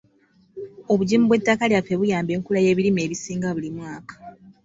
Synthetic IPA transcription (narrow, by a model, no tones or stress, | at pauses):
oβuɟiːmuβwe̞tːakaljafeβujaːmbe̞ːŋkulaje̞ːβiɾime̞ːβisiːŋɡaβulimwaːkḁ